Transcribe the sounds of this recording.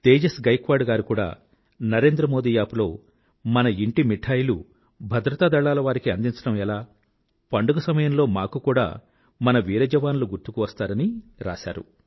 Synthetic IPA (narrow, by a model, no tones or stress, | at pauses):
t̪eːd͡ʒɐsɡɐjkʋaːɖɡaːɾikuːɽa̰ː | nɐɾe̞ːnd̪ɾɐmo̞ːd̪iːjaːpulo̞̰ː | mɐnɐiɳʈimiʈʰaːjlṵ | bʱɐd̪ɾɐt̪aːd̪ɐɭːaːlɐʋaːɾikiɐnd̪iɲt͡ʃɐɽɐmɛlaː | pɐɳɖuɡɐsɐmɐjɐmlo̞ːmaːkukuːɽa̰ː | mɐnɐʋiːɾɐd͡ʒɐʋaːnuluɡuɾt̪ukuʋɐst̪aːɾɐniɾa̰ːʃa̰ːɾṵ